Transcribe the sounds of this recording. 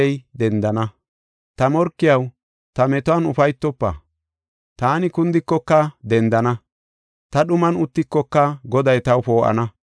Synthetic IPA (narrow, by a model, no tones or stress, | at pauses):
ɛjd̪ɛnd̪ɐnɐ | t̪ɐmɔɾkːɪjɐw | t̪ɐmɛt̪ɔɐnʊfɐjt̪ːɔpːɐ̰ | t̪aːnɪkʊnd̪ɪkːɔkːɐd̪ɛnd̪ɐnɐ | t̪ɐɗʊmɐnʊt̪ːɪkːɔkːɐɡɔd̪ɐjt̪ɐwpoːʔɐ̰nɐ